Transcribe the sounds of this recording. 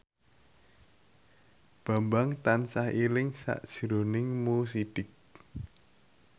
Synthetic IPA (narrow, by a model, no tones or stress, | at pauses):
b̥a̤mbaŋt̪ansahilɪŋsa̰ʔd̥ʒ̥ɾonɪŋmus̬id̥ɪk̚